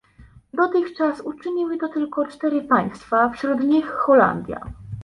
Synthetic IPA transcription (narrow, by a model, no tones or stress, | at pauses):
d̪ɔt̪ɘxt͡ʂasut͡ʂɘɲiwɘt̪ɔt̪ɘlkɔt͡ʂt̪ɛɾɘpaj̃st̪fafɕɾud̪ɲixːɔla̰nd̪ʲja̰